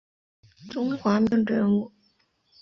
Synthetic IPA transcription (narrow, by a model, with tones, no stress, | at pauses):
ʈ͡ʂʊ˥ŋxwa˧˥mi˧˥ŋʈ͡ʂə˧˥ŋu˥˩